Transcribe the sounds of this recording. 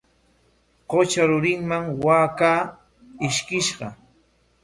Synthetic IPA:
ɢot͡ʃaɾʊɾɪŋmaŋwaːkaː | ɪʃkɪʃɢɑ̰

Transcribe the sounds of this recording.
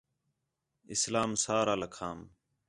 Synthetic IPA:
ɪ̰slaːmsaːɾaːləkʰaːm

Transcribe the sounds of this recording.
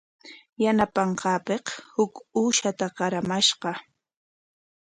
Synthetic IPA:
janapɑɴqɑːpeqhʊkuːʃat̪aɢɑɾamaʃɢɑ

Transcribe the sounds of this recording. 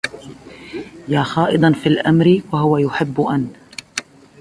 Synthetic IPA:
jaːxɑːʔɨd̪ˤɑnfiːlʔamɾɪwahʊwajʊħɪbːʊʔanː

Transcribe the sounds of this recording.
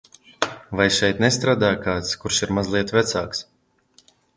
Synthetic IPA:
vajʃɛjt̪nɛst̪ɾaːd̪aːjkaːt̪skuɾʃiɾmazlˠiɛt̪vʲɛt̪saːks

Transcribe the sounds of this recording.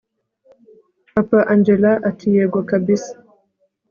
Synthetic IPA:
apaʔand͡ʒɛlaʔatʰijɛɡwakabisḁ

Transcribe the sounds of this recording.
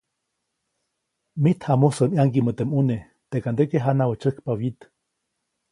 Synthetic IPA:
mit̪hamosəmiaŋkimət̪emune | t̪ekand̪ekeɦanawət͡ʃəhkpawit̪

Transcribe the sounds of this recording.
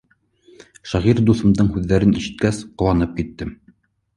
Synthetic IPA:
ʃæʁiɾd̪uθɤ̆md̪ɤɴhʉðːæɾɘniʃɘ̆t̪̚kæsqŏwɑnɤp̚kit̪ːɘm

